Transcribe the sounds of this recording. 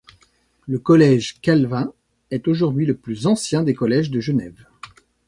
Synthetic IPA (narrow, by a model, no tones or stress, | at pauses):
ləkɔlɛʒkalvɛ̃ | ɛt̪oʒuʁd̪ɥiləplyzɑ̃sjɛ̃d̪ekɔlɛʒd̪əʒənɛv